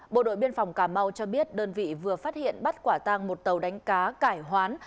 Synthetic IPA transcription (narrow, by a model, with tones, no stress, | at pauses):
ɓo̰˧˨ɗo̰˧˨jɓi˧ənfa˨˩wŋ͡mkaː˧˩ma˧wt͡ɕɔ˧ɓi˦˥ət̚ɗəː˧nvḭ˧˨vɨ˨˩əfaː˦˥t̚hḭ˧˨ənɓa˦˥t̚kwaː˧˩t̪aː˧ŋmo˨˩t̚t̪ə˨˩wɗa˨˦jŋ̟kaː˨˦kaː˧˩jɦwaː˨˦n